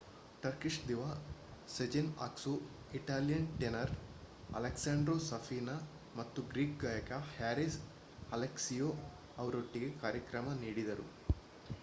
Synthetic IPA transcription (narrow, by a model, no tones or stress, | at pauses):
ʈɐɾkiʂʈd̪iʋaːsed͡ʒina̰ːksu | iʈaːlijɐnʈenɐɾ | ɐ̰leksaːɳɖɾoːsɐfʰiːna | mɐt̪ːuɡɾiːk̚ɡaːjɐkɐhaːɾis | ɐleksijoː | ɐʋɐɾoʈːiɡekaːɾjɐkɾɐmɐniːɽid̪ɐɾṵ